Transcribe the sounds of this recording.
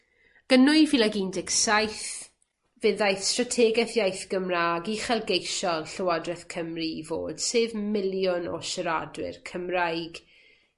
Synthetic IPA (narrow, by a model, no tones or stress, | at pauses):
ɡ̥ənʊɨvilˠaɡindɪksajθ | vɨðajθstratʰɛːɡɛθjajθɡ̥əmraːɡiχɛlˠɡejʃɔlˠɬəwadrɛθkʰəmrivo̰ːd̥seːvmɪlˠjʊnɔ̰ʃəɾadwɪ̰rkʰəmrajɡ̥